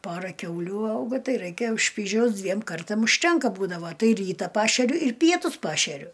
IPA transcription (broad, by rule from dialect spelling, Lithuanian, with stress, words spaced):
ˈpoːrɐ ˈkʲɛʊlʲuː ˈɐʊɡoː ˈtɐɪ rɐɪˈkʲeː ˈʃʲpʲiːʒʲɛʊs ˈdʲʋʲiɛm ˈkɐrtɐm ʊʃʲˈtʲɛŋkɐ ˈbuːdɐʋoː ˈtɐɪ ˈrʲiːtɐ ˈpɑːʃʲɛrʲʊ ɪr ˈpʲiɛtʊs ˈpɑːʃʲɛrʲʊ